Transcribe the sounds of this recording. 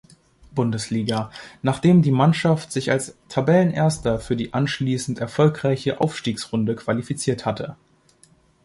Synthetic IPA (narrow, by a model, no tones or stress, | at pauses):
b̥ʊndəsliːɡanaːχd̥eːmdiːmanʃaftz̥ɪçalstʰabɛlənʔeːɐstɐfyːɐdiːʔanʃliːsn̩tɛɐfɔlkʁ̥aɪçəʔa̰ʊfʃtiːksʁʊndəkv̥alifit͡siːɐthatʰə